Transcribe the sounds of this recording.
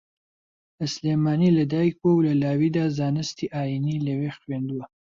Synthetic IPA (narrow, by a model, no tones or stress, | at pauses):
əslemɑnilɐd̪ɑikwowlɐlɑːwid̪azɑːnəst̪iʔɑːjinilɐwexwend̪uwa